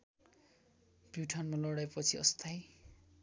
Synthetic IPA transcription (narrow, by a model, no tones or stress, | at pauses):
b̥uʈʰanmalʌɽajpʌt͡sʰiʌ̰st̪ʰaj